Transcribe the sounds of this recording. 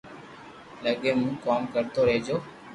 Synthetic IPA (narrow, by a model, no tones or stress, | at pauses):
lɐɡemukaːmkɐɾt̪oɾed͡ʒo